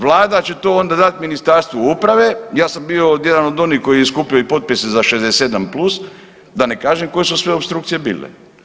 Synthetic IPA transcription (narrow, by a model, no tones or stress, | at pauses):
ʋlˠaːd̪at͡ɕe̞t̪o̞ːond̪ad̪at̪minist̪aɾst̪ʋoupɾaʋejaːsambiojed̪ano̞d̪o̞nihko̞jijeskupioipo̞t̪̚pisezaʃezd̪ese̞d̪amplˠus | d̪anekaːʒemko̞jesusʋe̞opst̪ɾuk̚t̪ijebḭːlḛ